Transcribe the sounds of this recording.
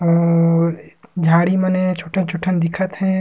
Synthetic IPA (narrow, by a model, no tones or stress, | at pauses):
ɔ | d͡ʒʱaːɽimənɛ̃t͡ʃʰoʈʰə̃t͡ʃʰʊʈʰənd̪ɪkʰət̪ɦɛ̃